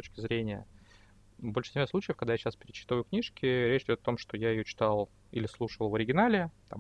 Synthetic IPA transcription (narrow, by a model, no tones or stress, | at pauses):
ot͡ɕkʲɪzɾʲenʲɪjə | bolʲʂɨ̥sʲɪmʲaslˠut͡ɕɪjəfkɐɡ̚d̪ajaɕaspʲɪɾʲɪt͡ɕi̥t̪vəjʊknʲiʂkʲɪɾʲet͡ɕɪdʲo̞t̪ɐt̪o̞mʂt̪ojajɪjot͡ɕɪ̥t̪alˠ | ḭlʲɪslˠuʂəlˠvəɾʲɪɡʲɪnalʲɪt̪a̰m